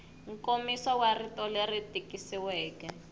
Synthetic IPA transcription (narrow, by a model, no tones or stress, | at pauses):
ŋ̩komisawaritʼɔleritʼikʼisiwɛːkɛ